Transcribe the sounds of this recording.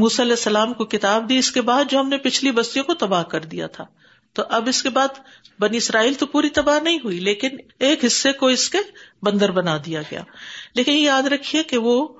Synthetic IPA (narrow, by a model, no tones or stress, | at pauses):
muːsaɐlɛːsːɐlaːmkokɪt̪aːb̚d̪iɪskebaːd̪̚d͡ʒoːɦɐmnepɪt͡ʃʰlibɐst̪ijõkot̪ɐbaːɦkɐɾd̪ija̰t̪ʰaː | t̪oʔɐbɪskebaːd̪ | bɐniɪsɾaːiːlt̪opuːɾit̪ɐbaːɦnɐɦĩɦuileːkɪneːkɦɪsːekoɪskebɐ̃nd̪əɾbɐnaːd̪ijaɡɐja̰ːleːkɪnjaːd̪ɾɐkʰːiekeʋoː